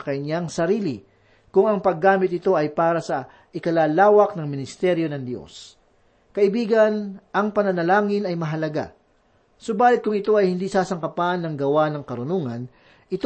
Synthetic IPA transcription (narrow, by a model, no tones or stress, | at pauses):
kɐjɲaŋsɐɾiːlɪ | kʊŋɐŋpɐɡːaːmɪt̪nɪt̪o̞ʔɐjpaːɾɐsɐ | ʔɪkɐlaːlaːwɐk̚nɐŋmɪnɪst̪ɛɾjo̞nɐŋd̪jo̞̰s | kɐʔɪbiːɡɐnʔɐŋpɐnɐnɐlaːŋɪnɐjmɐɦɐlɐɡa̰ | sobaːlɪt̪̚kʊŋɪt̪o̞ɐjhɪnd̪isaːsɐŋkɐpanːɐŋɡɐwanɐŋkɐɾʊnuŋɐn | ʔɪt̪